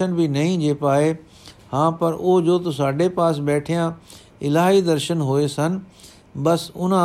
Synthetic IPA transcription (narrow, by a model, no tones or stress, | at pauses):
ənbɪnɐĩd͡ʑeːpaːɦe | hãːpɐɾʔʊɦod͡ʑoːt̪ɐsaːɖepaːsbɛːʈʰijã | ɪlaːɦid̪ɐɾʃənɦoesɐnɪ̆ | bɐsʊñ